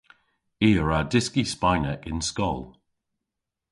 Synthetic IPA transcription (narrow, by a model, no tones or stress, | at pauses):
iːəɹadɪskispajnəʔɪnskɔ̰lˠ